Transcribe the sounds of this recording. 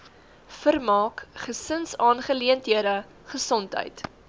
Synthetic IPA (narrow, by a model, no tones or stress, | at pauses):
fərmɑːkχəsənsɑːnχəliəntɦiəɾə | χəsɔntɦə̰jt